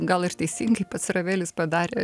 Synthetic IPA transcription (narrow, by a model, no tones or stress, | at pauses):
ɡɐlˠɪrt̪ʲɛɪsʲiŋɡɐɪpɐt̪srɐʋʲeːlʲʊspɐd̪ɑːɾʲeː